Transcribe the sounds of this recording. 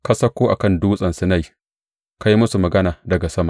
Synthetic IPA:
kɐ˦sɐ˦kʷoː˦ʔa̰˨kɐ˦nduː˦sʼɐ˨nsɐ˨na˦˨j | ka˦ji˦mʊ˦su˨mɐ˨ɡɐ˦naː˨dɐ˨ɡa˨sɐ˦ma˨

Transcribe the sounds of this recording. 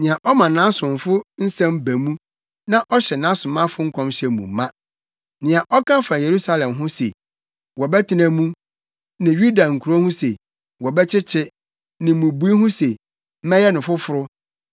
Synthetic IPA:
nɪ̃˨ã˨ʔɔ˦mã˨nã˦sʊ̃˨m˨fʊ˦n̩˦sɛ̃˦mbæ˨mũ˦ | nã˦ʔɔ˦ɕɛ˨nã˨˦sʊ̃˨mã˦fʊ˦ŋ̩˦kʰɔ̃˦mɕɛ˨mṵ̃˨mː˨˦ã˦ | nɪ̃˨ã˨ʔɔ˦kʰã˦fã˨je˨ɾu˦sa˦lɛ̃˨mɦʊ̃˦sḛ˨ | wɔ˨bɛ˦tʰɪ˦nã˨mũ˦ | nã˨ju˦da˨ŋ̩˨kʰu˨ɾo˦hʊ̃˦se˨ | wɔ˨bɛ˦t͡ɕʰɪ˦t͡ɕʰɪ˦ | nɪ̃˨mũ˨bu˨˦i˦hʊ̃˦se˨ | m̩˦mɛ̃˦jɛ˦nʊ̃˨fʊ˦fʊ˨ɾʊ˦

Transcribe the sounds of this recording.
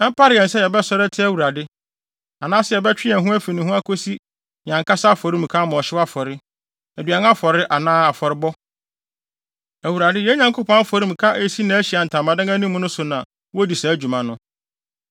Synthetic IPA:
ɛ˦m̩˦pʰa˦ɾɪ˨ɛ˨n˨sɛ˦jɛ˨bɛ˦sɔ˦ɾɛ˦tʰɪ˦æ˨wu˨ɾa˨dɪ˦ | a˨nãː˦sɪ˦jɛ˨bɛ˦t͡ɕᶣɪ˦ɛ˨ɦũ˦æ˦fi˨nĩ˨ɦũ˦a˦kʰo˦si˦ | ɲã˨ŋkʰa˦sa˦fɔ˨ɾĩ˦m̩˨kʰa˦mɔ̃˨ɔ˨ɕɪ˦wa˦fɔ˨ɾɪ˦ | æ˨dɥa˨n˦a˦fɔ˨ɾɪ˦ʔa˨nãː˦a˨fɔ˨ɾɪ˦bɔ˦ | æ˨wu˨ɾa˨dɪ˦jɛ˦ɲã˨ŋkʰo˦pʰɔ̃˦fɔ˨ɾĩ˦m̩˨kʰa˦ʔe˨si˦nã˨æ˦ɕi˨a˨n̩˨tʰã˨mã˨dã˦ŋa˦nĩ˦mːʊ̃˦nʊ̃˦sʊ˨nã˨ | wo˦di˨sa˨æ˦d͡ʑᶣu˨mã˨nʊ̃˦

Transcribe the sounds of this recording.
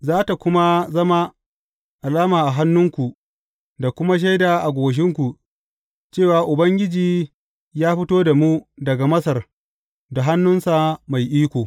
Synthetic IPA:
zaː˦ta˨kʷʊ˦ma˦zɐ˦ma˦ | ʔa˨laː˦maː˨ʔa˨ɦa˦nːʊ˦ŋkʷu˨ | da˨kʷʊ˦ma˦ʃ̬a˦jda˨ʔa˨ɡʷoː˨ʃ̬ɪ˦ŋkʷu˨ | t͡ʃeː˦˨waː˨ʔʊ˨bɐ˦ŋɡʲɪ˦d͡ʒiː˨ | jaː˦ɸɪ˦toː˦da˨mu˦dɐ˨ɡa˨mɐ˦sɐ˨r | da˨ɦa˦nːʊ˦nsa˨ma˨jʔiː˦kʷoː˨

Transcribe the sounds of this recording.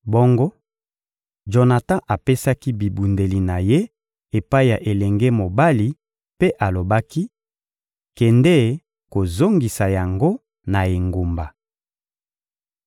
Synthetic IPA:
bo˦ŋɡo˦ | ʒo˨na˨tã˦ʔa˨pe˦sa˦ki˦bi˨bu˨nde˨li˨na˨je˦ | e˨pa˦i˦ja˨ʔe˨lɛ˨ŋɡe˦mo˨ba˦li˨ | pe˦ʔa˨lo˨ba˦ki˦ | kɛ˨ndɛ˦˨ | ko˨zo˦ŋɡi˨sa˨ja˨ŋɡo˦ | na˨e˨ŋɡo˨mba˨

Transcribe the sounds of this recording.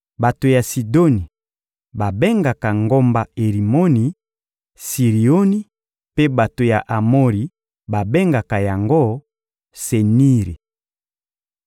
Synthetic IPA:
ba˨to˨ja˨si˨do˦ni˨ | ba˨be˦ŋɡa˨ka˨ŋɡo˦mba˦e˨ʁi˨mo˦ni˨ | si˨ʁi˨o˦ni˦ | pe˦ba˨to˨ja˨ʔa˨mo˦ʁi˨ | ba˨be˦ŋɡa˨ka˨ja˨ŋɡo˦˨ | se˨ni˦ʁi˨

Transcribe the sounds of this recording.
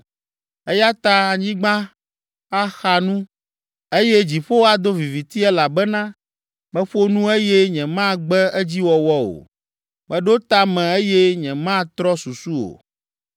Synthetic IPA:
ɛ˦ja˦t̪a˦a˨ɲĩ˦ɡ͡bã˦ | a˦xa˨nũ˦ | e˦jɛ˦d͡ʑi˨ɸo˦wa˨d̪o˦vi˨vi˨t̪i˦ɛ˦la˨bɛ˦nã˦ | mɛ̃˦ɸo˦nũ˦e˦jɛ˦ɲɛ̃˨mã˦ɡ͡bɛ˦ɛ˦d͡ʑi˦wɔ˨wɔ˦o̰˨ | mɛ̃˦ɖo˦t̪a˦mɛ̃˨e˦jɛ˦ɲɛ̃˨mã˦t̪ɾɔ˦su˨su˦o̰˨

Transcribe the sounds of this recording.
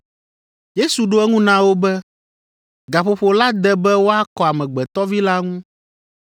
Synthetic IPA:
je˦su˨ɖo˦ɛ˦ŋũ˦nã˦wo˦bɛ˦ | ɡa˨ɸo˨ɸo˨la˦d̪ɛ˦bɛ˦wo˦a˦kɔ˨a˨mɛ̃˨ɡ͡bɛ˨t̪ɔ˦vi˦la˦ŋũ˦

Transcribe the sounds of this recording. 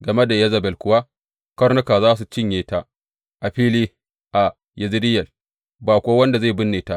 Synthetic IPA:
ɡɐ˨me˦da˨jɐ˦zɐ˨bɛ˨lkʷʊ˦wa˦ | kɐ˦rnʊ˦kaː˨zaː˦s̬u˨t͡ʃɪ˦ɲjeː˨ta˦ʔ | ʔa˨ɸiː˦liː˦ | ʔa˨ | jɪ˨zɪ˦dɪ˦jɐ˨l | baː˨kʷoː˦wɐ˦nda˨za˦˨bʊ˦nːeː˨ta˦ʔ

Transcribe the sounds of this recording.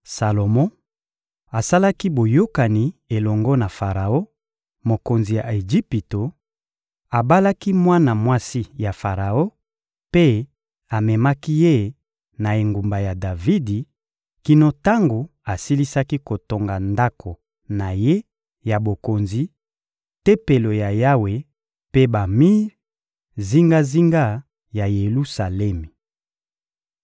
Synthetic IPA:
sa˨lo˨mɔ̃˦ | a˨sa˦la˦ki˦bo˨jo˦ka˨ni˨e˨lɔ˨ŋɡɔ˦na˨fa˨ʁa˨o˦ | mo˨ko˨nzi˨ja˨e˨d͡ʒi˦pi˨to˨ | a˨ba˦la˦ki˦mwa˦na˨mwa˦si˦ja˨fa˨ʁa˨o˦ | pe˦ | a˨mɛ˨ma˦ki˦je˦˨ | na˨e˨ŋɡu˨mba˨ja˨da˨vi˦di˨ | ki˨no˨ta˦ŋɡo˨ | a˨si˦li˦sa˦ki˦ko˨to˨ŋɡa˨nda˦kʰo˨ | na˨je˦ | ja˨bo˨ko˨nzi˨ | te˦pe˨lo˨ja˨ja˦we˨ | pe˦ba˨mi˦ | zi˦ŋɡa˦zi˦ŋɡa˦ | ja˨je˨lu˦sa˨lɛ˦mi˨

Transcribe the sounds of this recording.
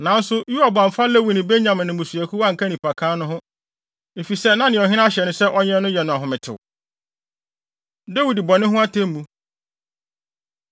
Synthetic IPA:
nã˨˦n̩˦sʊ˦ju˦a˨bã˨m̩˨fa˦lɛ˦wi˨nɪ̃˨be˦ɲã˨mɪ̃˨nɪ̃˨mʊ̃˨su˨æ˨kʰu˦wa˦ŋ̩˨kʰa˦nĩ˨pʰa˨kʰãː˦nʊ̃˦ɦʊ̃˦ | e˨fi˨sɛ˦nã˦nɪ̃˨ɔ˨ɦɪ˦n˦a˦ɕɛ˨nʊ̃˦sɛ˦ʔɔ˦ɲɛ̃˦nʊ̃˦jɛ˨nʊ̃˨a˨ɦʊ̃˨mɪ̃˨tʰɪ̰˨ | de˦wi˨dbɔ˨nɪ̃˦ɦʊ̃˦a˦tʰẽ˦m˦mũ˨˦

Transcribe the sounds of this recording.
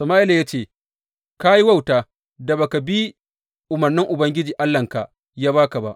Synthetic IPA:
sɐ˨maː˦ʔɪ˦la˨ja˦t͡ʃeː˦˨ | ka˦ji˦wa˦wtaː˨ | da˨ba˨ka˨bi˦ | ʔʊ˨mɐ˨rnɪ˦ŋʔʊ˨bɐ˦ŋɡʲɪ˦d͡ʒiː˨ʔa˦lːɐ˨ŋka˨ | jaː˦baː˦ka˨ba˦ʔ

